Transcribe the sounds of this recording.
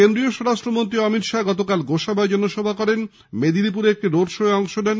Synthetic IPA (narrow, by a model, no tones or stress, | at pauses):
kend̪ɾioʃɔɾaʃʈɾomont̪ɾiɔmit̪ʃaɡɔt̪okalɡoʃabajd͡ʑɔnoʃɔbʱakɔɾen | med̪ilip̬uɾeek̚ʈiɾoɖʃoeɔŋʃodɛn